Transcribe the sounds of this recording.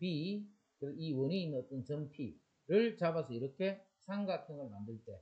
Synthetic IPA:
pi | kɯeiwʌniinːɯnʌt͈ʌnt͡ɕʌnpʰi | ɾɯɭt͡ɕabasʰʌiɾʌkʰe̞ | sʰaŋɡatʰɯŋɯɭmandɯɭt͈e̞

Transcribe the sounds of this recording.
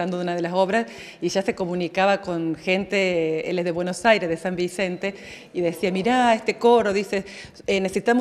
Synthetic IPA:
and̪oðeunaðelaso̞βɾas | iʒase̞ko̞mũnikaβako̞nxe̞nt̪eelezðe̞βwenosajɾezðesambise̞nt̪e̞ | iðesiamiɾaest̪eko̞ɾoðise | enesesit̪amo

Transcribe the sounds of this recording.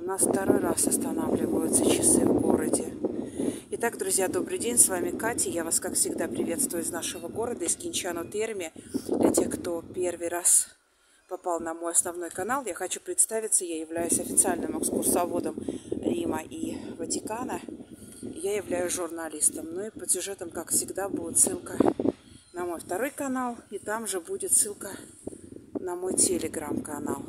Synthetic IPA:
ʊnasft̪ɐɾo̞jrasɐst̪ɐnavlʲɪvəjʊt̪sət͡ɕɪsɨvɡo̞ɾədʲɪ | ɪt̪aɡd̪ɾʊzʲjad̪o̞bɾɨdʲenʲsvamʲɪkatʲɪjavaskakfsʲɪɡd̪apɾʲɪvʲe̞t̪st̪vʊjɪʊznaʂəvəɡo̞ɾəd̪əɪskʲɪnʲt͡ɕanʊt̪ermʲɪd̪lʲɐtʲe̞xkt̪o̞pʲervɨjras | pɐpalˠnɐmo̞jɐsnɐvno̞jkɐn̪alˠjaxɐt͡ɕu̥pɾʲɪt̪st̪avʲɪt̪səjajɪvlʲæjʊsʲɐfʲɪt̪sɨalʲnɨmɛkskʊrsɐvo̞d̪əmɾʲiməʔivətʲɪkanə | jajɪvlʲæjʊsʐʊrnɐlʲist̪əmnoipəsʲʊʐɛt̪əmkakfsʲɪɡd̪abud̪ʲɪt̪sɨlˠkə | nɐmo̞jft̪ɐɾo̞jkɐnalˠit̪amʐɨbudʲɪt̪sɨlˠkə | nɐmo̞jtʲɪlʲɪɡɾamkɐnalˠ

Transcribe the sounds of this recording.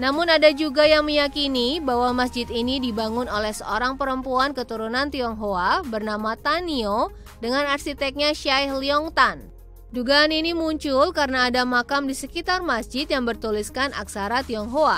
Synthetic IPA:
namʊnadad͡ʒuɡajaŋməjakinibawamas̬d͡ʒɪt̪inidibaŋʊnolɛhsəoɾaŋpəɾəmpuankət̪uɾunant̪iɔŋɦoabərnamat̪anio | dəŋanarsit̪ɛk̚ɲaʃaihliɔŋt̪an | duɡaːninimuɲt͡ʃʊlkarənaːdamakamdisəkit̪armasd͡ʒɪt̪jaŋbərt̪uliskana̰ksaɾat̪iɔŋɦoa

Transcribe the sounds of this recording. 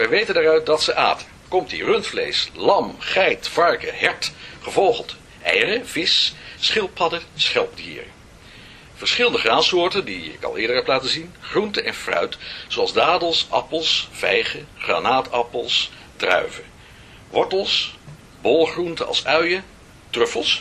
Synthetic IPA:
ʋɛjʋejtəndaːrœɥt̚dɑtsəʔa̰ːtənkɔmtirɵntflḛjslɑmχɛjtfɑɹkəɦɛɹtχəvolχəlˠt | ʔɛ̰jrəvɪsːχɪlˠpʰɑdəsχɛlˠp̚dḭːɹə̰ | v̥əɹsχɪləndəχraːsʊːɹtəndiɪ̰kɑ̰lˠɪːɹdəɹɦɛplaːtəzinχruntəʔɛnfrœ̰ɥtsoɑlˠzdaːdəlˠsʔɑ̰pəlˠsv̥ɛjχəχra̰ːnaːtɑpəlˠs | drœ̰ɥvə | ʋɔɹtəlˠs | bɔlˠχruntəɑ̰lˠsœɥjə | trɵfəlˠs

